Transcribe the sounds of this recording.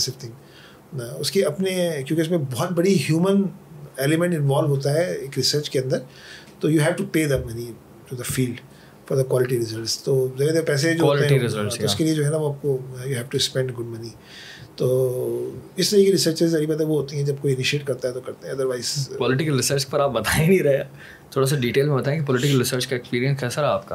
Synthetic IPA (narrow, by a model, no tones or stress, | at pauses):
sɪft̪ʰɪ̃ŋ | aʊskeɐpnekjõːkeʊs̬mẽbɔːt̪̚bɐɽiɦjuːməneːlɪmɛ̃ɳʈɪ̃nʋɔːlʋɦoːt̪̬aɦɛeːkɾɪsəɾt͡ʃkeɐ̃nd̪əɾ | t̪oːjuːɦɛʋʈupeːd̪ɐmɐni | ʈud̪ɐfiːlɖ | fɔɾd̪ɐkwɔːlɪʈiɾɪzəlst̪oːzɐɾid̪eɾpɛːs̬ed͡ʒoɦoleɦɛɾɪzəloʊskelied͡ʒoːɦɛnaʋoaːp̚kojuːɦɛːʋʈukspɛ̃ɳɖɡʊɖ̚mɐni | t̪oː | ɪst̪ɐɾikiɾɪsəɾt͡ʃɪzzɐɾibɐt̪ɐʋoɦoːt̪iɦɛ̃d͡ʒɐb̚koːiɪnɪʃieːʈkɐɾt̪aɦɛt̪okɐɾt̪eɦɛ̃ɐd̪əɾʋaɪz̥pɔːlɪʈɪkəlɾɪsəɾt͡ʃpɐɾaːp̚bɐt̪aːẽnĩɾɐɦea | t̪ʰoːɽas̬aɖiːʈeːlmẽbɐt̪aẽkipɔlɪʈɪkəlɾɪsəɾt͡ʃkaekspiːɾiə̃nskɛːsaɾɛaːp̚ka